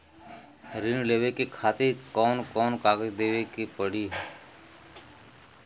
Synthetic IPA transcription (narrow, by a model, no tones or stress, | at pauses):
ɾɪɳleːʋeːkekʰaːt̪eːkɔːnkoːnkaːɡed̪eːʋeːkiːpəɽiːɦ